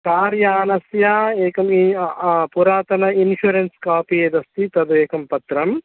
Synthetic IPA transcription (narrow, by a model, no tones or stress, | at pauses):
kaːɾjaːnɐsjaːeːkɐmipuɾaːt̪ɐnɐinʃuɾenskaːpied̪ɐst̪it̪ɐd̪ueːkɐmpɐt̪ɾɐm